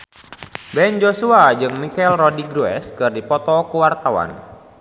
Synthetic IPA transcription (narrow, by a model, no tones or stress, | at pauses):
bɛnd͡ʒosuad͡ʒɨŋmikɛlrɔdiɡɾuɛ̰skɨrdipɔt̪ɔkəwart̪awa̰n